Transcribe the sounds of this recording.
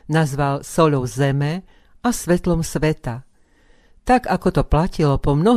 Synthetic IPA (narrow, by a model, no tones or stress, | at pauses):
nazʋalsɔʎɔʊzɛmɛ | asʋɛt̪lɔmsʋɛt̪a | t̪aɡakɔt̪ɔplacilɔpɔmnɔɦ